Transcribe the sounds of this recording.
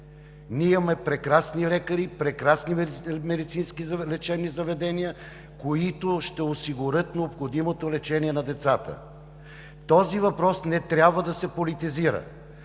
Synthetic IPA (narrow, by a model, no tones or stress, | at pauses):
nʲiimɐmɛpɾɛkɾasnilɛkəɾipɾɛkɾasnimɛd̪it̪sinskilɛt͡ʃɛbnizɐvɛd̪ɛnijə | koit̪oʃt̪ɛosiɡʊɾɤt̪nɛopxod̪imot̪olɛt͡ʃɛniɛnɐd̪ɛt̪sat̪ə̰ | t̪ɔzivɐpɾɔsnɛt̪ɾʲabvəd̪ɐsɛpolit̪iziɾə̰